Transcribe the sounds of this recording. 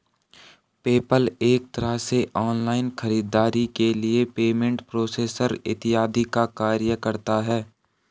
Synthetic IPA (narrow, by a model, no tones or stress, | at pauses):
peːpəleːk̚t̪ɐɾaseʔɔːnlaːɪnxɐɾiːd̪aːɾikeliepeːmẽɳʈpɾoːseːsəɾɪ̰t̪ɪaːd̪ikakaːɾjəkɐɾt̪aɦɛː